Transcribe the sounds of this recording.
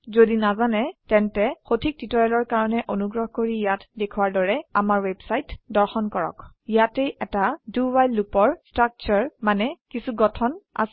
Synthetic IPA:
zodinazanɛtɛntɛxotʰik̚titɔɹɛlɔɹkaɹɔnɛʔonuɡɹɔɦkoɹijatdekʰuwaɹdɔɹɛamaɹwebsajtdɔɹxɔnkɔɹɔ̰kijatejɛtadubajlːupɔɹstɹak̚t͡ʃɔɹmanɛkisuɡɔtʰɔna̰s

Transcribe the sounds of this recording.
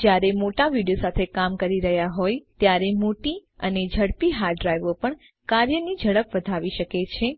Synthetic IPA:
d͡ʒjaɾemoʈaʋiɽijosat̪ʰekamkəɾiɾəɦjaɦojt̪jaɾemoʈiə̰ned͡ʒʱəɽpiɦaɾɖɾajʋopəɳ | kaɾjənid͡ʒʱəɭəpʋəd̪ʱaʋiʃəket͡ʃʰe

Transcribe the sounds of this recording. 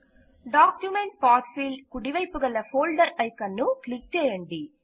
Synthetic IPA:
ɖaːkjumeɳʈpaːʈfiːlɖkuɽiʋɐjpuɡɐlːɐpʰoːlɖɐɾɐjkɐnːuklik̚t͡ʃɛːjɐɳɖi

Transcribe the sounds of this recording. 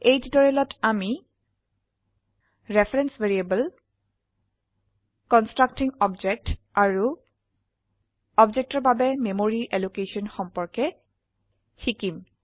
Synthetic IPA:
ejd͡ʒdɔɹɛlɔtami | ɹepʰɹɛnsveɹiebəl | kɔnstɹak̚tiŋɔbd͡ʒɛk̚taɹu | ɔbd͡ʒɛk̚tɔɹbabɛmemoɹiʔelukesɔnxɔmpɔɹkɛ | xikim

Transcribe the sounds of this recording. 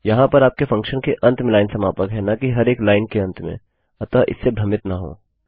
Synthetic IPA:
jɐɦãpɐɾaːp̚kefɐ̃ŋkʃənkeʔɐ̃nt̪melaːɪnsɐmaːpəkɦɛnakiɦɐɾeːklaːɪnkeɐ̃nt̪mḛ̃ | ɐt̪aʔɪ̰sːebʱɾɐmɪt̪naɦo̰ː

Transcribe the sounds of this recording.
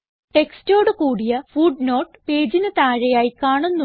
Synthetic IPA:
ʈe̞ksto̞ːɽɨkuːɽijɐfuːɖno̞ːʈɨpe̞ːd͡ʑinɨt̪aːɻɐjaːjikaːɳunːu

